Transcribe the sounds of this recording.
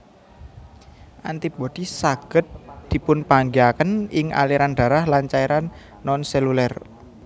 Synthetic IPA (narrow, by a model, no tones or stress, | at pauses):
ʔant̪ipod̪̥isaɡ̥ə̤t̪̚d̪̥i̤pʊnpaŋɡiakənɪŋa̰liɾanɖ̪̥ä̤ɾahlant͡ʃaiɾanː | ɔnselulɛr